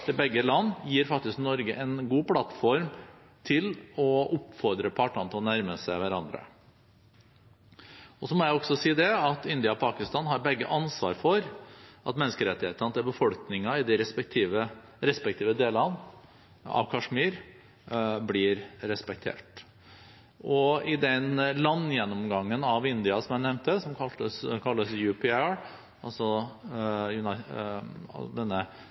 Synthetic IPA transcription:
d̪ɛbɛɡːəlɑnːjiːɾfɑk̚t̪ɪsknɔɾɡəʔɛnɡuːpʰlɑt̪fɔɾm | t̪ʰɪlɔʔʊpfɔɾd̪ɾəpʰɑːʈɑnt̪ʰɔnæɾməsæɪʋæɾɑnd̪ɾə̰ | ɔsɔmɔjæɪɔɡsɔsiːd̪ɛɑt̪ɪnd̪ɪɑɔpʰɑːkɪst̪ɑːnhɑɾbɛɡːə̰ʔɑnsʋɑ̰ːɾfɔɾʔɑt̪mɛnːəskəɾɛt̪ːɪheːt̪ɑnt̪ɛbəfɔlknɪŋɑɪd̪ɪɾɛt̪ʰiʋə | ɾɛspɛk̚t̪ʰiːʋəd̪eːlɑn | ɑ̰ʋkʰɑʂmiːɾ | blɪɾɾɛspɛk̚t̪ʰḛːʈ | ʔɔɪd̪ɛnlɑnːjɛnːɔmɡɑŋːənɑʋɪnd̪ɪɑsɔmɛnɛʋnt̪əsɔmkʰɑəkʰɑlːəsjʉːpɪɑɹ | ɑlsɔ | jʉnɪ̰ | d̪ɛnːə

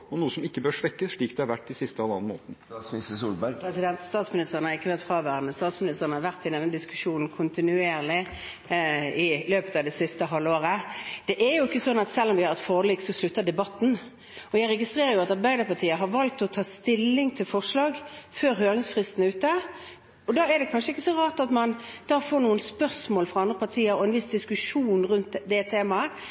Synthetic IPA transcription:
ɔnuːəsɔmɪkːəbøːɾʂʋɛkːəsʂɭiːkd̪ɛæɑɾʋæʈːd̪ɪsɪst̪əɑlɑ̰nmo̰ːt̪n̩sɪsəsṵːlbɛsɪd̪ɛnt̪st̪ɑːt̪smɪnɪst̪əʁənhɑɾɪkːəʋæʁt̪fʁɑːʋæːʁənəst̪ɑːt̪smɪnɪst̪əʁənəhɑɾʋæʁt̪ɪd̪ɛnːəd̪ɪskʉ̥ʂuːnn̩kʰʊnt̪ɪnʉeːʁlɪ | ɪløːpət̪ɑːʋd̪ɛsɪst̪əɦɑlːoːɾəd̪̥ɛʔæɾjʊɪkːəsɔnːɑt̪sɛlːɔmʋɪhɑɾʋɛt̪foːliːksɔslʉt̪ːəd̪ɛbɑt̪n̩ | ɔjæɪɾɛɡɪst̪ʁeːɾəɾjʊɑt̪ɑɾbæɪd̪əpʰɑʁt̪ʰiːəɦɑɾʋɑlt̪ɔt̪ʰɑːst̪ɪlːɪŋt̪ʰɪlfɔʁʂlɑːɡføːɾɦøːɾɪŋsfʁɪst̪n̩ʉːt̪ə | ɔd̪ɑːɛɾd̪ɛkʰɑnʂəɪkːəsɔɾɑːt̪ɑt̪mɑnd̪̥ɑːfoːɾɳuːənspœʁsmoːlfʁɑɑnd̪ɾəpɑʁt̪ʰiːəɾɔɛnʋɪsd̪ɪskʉʂuːnɾʉnt̪d̪ɛt̪ʰeːmɑə

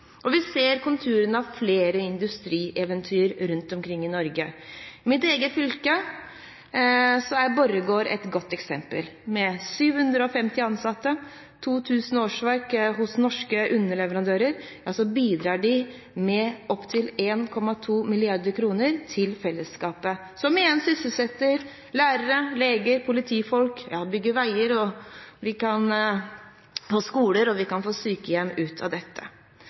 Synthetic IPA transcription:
ɔʋɪseːɾkʊnt̪ʰʉːɾənəɑʋfleːɾəɪnd̪ʉst̪ɾiːʔɛʋənt̪ʰyːəɾɾʉnt̪ɔmkʰɾɪŋːɪnɔɾɡəɪmɪt̪eːɡəfʏlkə | sɔæɾbɔɾːəɡoːɾɛ̰t̪ɡɔt̪ːɛksɛmpə̰lmɛsyːʋhʉnd̪ɾəɔfɛmt̪ɪɑnsɑt̪ːə | t̪ʰuːt̪ʰʉːsn̩oːʂʋɑɾkɦʊsnɔʂkəʔʉnːəɭɛʋəɾɑnd̪øːɾəɾjɑːsɔbiːd̪ɾɑːɖɪ | mɛʔɔpːt̪ʰɪleːnkʰɔmːɑt̪ʰuːmɪlɪɑɾd̪əɾkʰɾuːnəɾt̪ʰɪlfɛlːəskɑːpə | sɔmɪjɛnsʏsəlsɛt̪ːəɾ | læːɾəɾəleːɡəɾpʰʊlɪt̪ʰiːfɔlkjɑ̰ːbʏɡːəʋæɪəɾɔʋɪkʰɑn | foːskuːləɾɔʋɪkɑnfoːsyːkəjɛmːʉːt̪ʰɑ̰d̪ɛt̪ʰːə̰

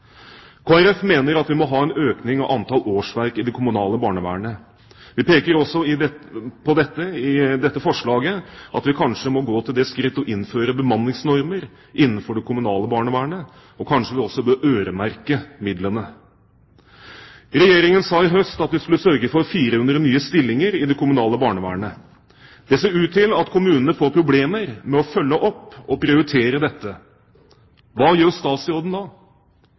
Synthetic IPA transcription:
kʰoːæɾɛfmeːnəɾɑt̪ʋɪmɔɦɑːɛnøːknɪŋɑʋʔɑnt̪ʰɑlʔoːʂʋæɾkɪd̪ɛkʰʊmʉnɑːləbɑːɳəʋæ̰ːəɳə | ʋɪpeːkəɾɔsːɔɪpʰɔd̪ɛt̪ːəɪd̪ɛt̪ːəfɔʂɭɑːɡəʔɑ̰t̪ʋɪkʰɑnʂəmɔɡoːt̪ʰɪld̪ɛskɾɪt̪ːɔʔɪnføːɾəbəmɑnːɪŋsnɔɾməɾ | ʔɪnːənfɔɖɛkʰʊmʉnɑːləbɑːɳəʋæːəɳə | ɔkʰɑnʂəʋɪɔsːɔbøːɾøːɾəmæɾkəmɪd̪lənə | ɾɛjeːɾɪŋənsɑːɪɦœst̪ɑt̪ʋ̪ɪskʉlːəsœɾɡəfɔɾfiːɾəhʉnd̪ɾənyːəst̪ɪlːɪŋəɾɪd̪ɛkʰʊmʉnɑːləbɑːɳəʋæ̰ːɳə | d̪̥ɛseːɾʉːt̪ʰːɪlɑt̪kʰʊmʉːnənəfoːɾpʰɾʊbleːməɾmɛɔfœlːəʔɔpːɔpɾɪʊɾɪt̪ʰeːɾəd̪ɛt̪ːə | ʋɑːjøːɾst̪ɑːsoːd̪n̩d̪ɑː

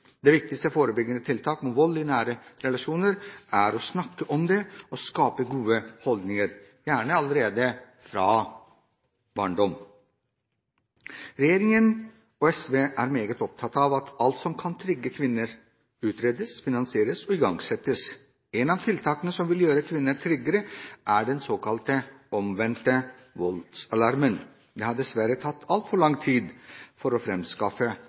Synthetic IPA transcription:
d̪eːʋɪk̚t̪ɪkst̪əfoːɾəbʏɡənət̪ʰɪlt̪ʰɑːkmɔʋɔlːɪnæːɾəɾɛlɑʂuːnəɾʔæɾɔsnɑkːəʔɔmd̪ɛɔskɑːpəɡuːəhɔld̪nɪŋəɾ | jæːɳəɑləɾeːd̪ə | fɾɑː | bɑːɳɖɔm | ɾɛjeːɾɪŋən | ɔɛsʋeːʔæ̰ɾmeːɡət̪ɔp̚t̪ʰɑt̪ːɑʋɑt̪ʰɑlt̪sɔmkʰɑnt̪ʰɾʏɡːəkʰʋɪnːəɾ | ʉːt̪ʰɾeːd̪əsfɪnɑnsɪeːɾəsɔɪɡɑŋɡsɛt̪əs | ɛnɑːʋt̪ʰɪlt̪ʰɑːkənəsɔmʋɪljøːɾəkʰʋɪnːəʈ̪ʰɾʏɡəɾəʔæɖɛnsoːkɑlt̪əɔmʋɛnt̪ə | ʋɔlt̪sɑlɑɾmən | d̪eːhɑɖ̪ɛsʋæɾət̪ʰɑt̪ːʰɑlt̪fɔɭɑŋt̪ʰiːd̪fɔɾoːfɾɛmskɑfə

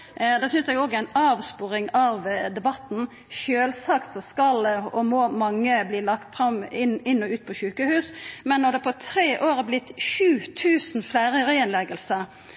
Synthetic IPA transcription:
d̪ɛːsʏnsɛɡoːɡəæɪnɑːʋspuːɾɪŋɑʋd̪ɛbɑt̪n̩ | ʃøːlsɑkt̪sɔskɑlɔmɔːmɑŋːəbliːlɑkt̪fɾɑmɪnɪnːɔʉːt̪̚pʰɔɕʉːkəhʉːsmɛnːɔʁd̪ɛpʰɔt̪ʰʁeːʔoːɾəblɪt̪ːʃʉːt̪ʰʉːsn̩flæɪʁəʁəɛnlɛɡəlsə

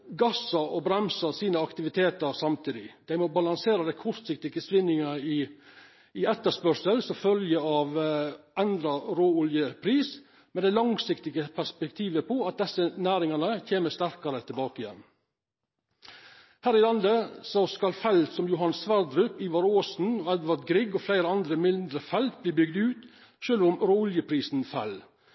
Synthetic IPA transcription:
ɡɑsɑɔbɾɛmsəsiːnəɑkt̪ɪʋɪt̪ʰeːt̪əɾsɑmt̪ʰiːd̪ɪd̪æɪmɔbɑlɑŋseːɾɑd̪æɪkʰʊɾt̪sɪk̚t̪ɪɡəsʋɪnɪŋɑɪ | ɪɛt̪ːəʂpœʂəlsɔfœljəɑʋɛnd̪ɾɑɾoːʊljəpʰɾiːs | mɛd̪ɛɪlɑŋsɪkt̪ɪɡəpʰæʂpɛk̚t̪ʰiːʋəpʰɔɑt̪̚d̪ɛsːənæːɾɪŋɑnəçeːməst̪æɾkɑɾət̪ʰɪlbɑːkəɪjɛ̰nː | hæːɾɪlɑnd̪əsɔskɑlfɛlt̪sɔmjʊɦɑnsʋæɾd̪ɾʉpiːʋɑɾoːsn̩ɔɛd̪ʋɑd̪ɡɾɪɡɔflæɪɾəɑnd̪ɾəmɪnd̪ɾəfɛlt̪̚bliːbʏɡd̪ʉːt̪ | ʃøːlʋʊmɾoːʊljəpʰɾiːsnfɛl

